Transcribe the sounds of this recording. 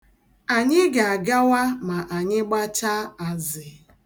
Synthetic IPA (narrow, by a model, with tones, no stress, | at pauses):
a˨ɲɪ˦ɡa˨ɡa˦wa˦ma˨ʔa˨ɲɪ˦ɡ͡ba˦t͡ʃa˦a˨zɪ˨